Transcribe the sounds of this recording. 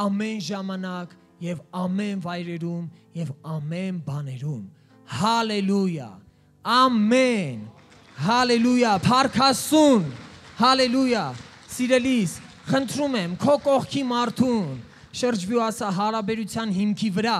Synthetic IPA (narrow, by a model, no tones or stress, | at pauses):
ɑmɛnʒɑmɑnɑk | jɛvɑmɛnvɑjɾɛɾumjɛvɑmɛnbɑnɛɾum | hɑlɛlujɑ̰ | ɑmɛn | ɦɑlɛlujɑpʰɑɾkʰɑsunhɑlɛlujɑ | siɾɛlis | χənt̪ʰɾumɛmkʰɔkɔχkʰimɑɾt̪ʰun | ʃəɾd͡ʒvjuɑsɑɦɑɾɑbɛɾut͡sʰjɑnɦimkʰivəɾɑ